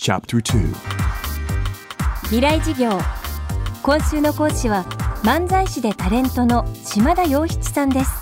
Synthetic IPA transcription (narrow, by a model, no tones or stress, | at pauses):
t͡ʃʰa̰p̚tʰə˞tʰʉ̰ː | ç̥ʲiɾaid͡ʑiɡʲo̞ː | kõ̞ɰ̃ɕɨːno̞ko̞ːɕiβamãnd͡zaiɕid̪e̞t̪aɾẽ̞nt̪o̞no̞ɕimad̪ajo̞ːçi̥t͡si̥sãnd̪e̞sɨ̥